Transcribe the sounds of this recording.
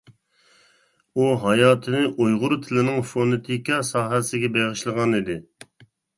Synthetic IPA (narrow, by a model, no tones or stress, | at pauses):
uɦɑjɑːt̪ʰɨnɪʔojʁʊɾt̪ʰɪlɪnɪŋfonɨt̪ʰikʲɑsɑːɦɛsɪɡʲɛbeʁəʃlˠəʁɑnid̪ɪ